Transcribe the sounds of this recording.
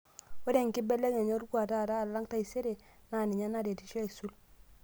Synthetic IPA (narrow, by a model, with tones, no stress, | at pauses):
wo˦de˨ŋ˨kɪ˦bɛ˦lɛ˦ke˨ɲo˦ɾkwa˨ta˦˨taː˦˨lːa˦ŋta˦i˨se˦ɾe˨na˨nɪ˨ɲa˦na˦de˨ti˦ʃɔ˦i˨su˦l